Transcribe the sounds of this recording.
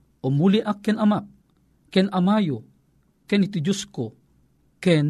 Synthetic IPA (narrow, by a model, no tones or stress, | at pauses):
omuliʔakːɛnamak̚ | kɛnʔamajo | kɛnitid͡ʒusko | kɛn